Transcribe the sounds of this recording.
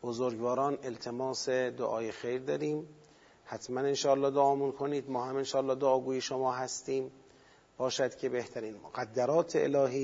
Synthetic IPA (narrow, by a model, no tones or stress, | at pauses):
b̥ozoɾɡvɒːɾɒːne̞lt̪ʰe̞mɒːsed̪o̰ʔɒːjexejɾd̪ɒːɾiːm | hæt̪ʰmænenʃɒːælːɒːd̪oʔɒːmunkʰoniːd̪mɒːhæmenʃɒːælːɒːd̪oːɡuːjeʃomɒːɦæst̪iːm | b̥ɒːʃæd̪̥cʰe̞be̞ht̪ʰæɾiːnmoɡæd̪ːæɾɒːt̪ʰeḛlɒːɦiː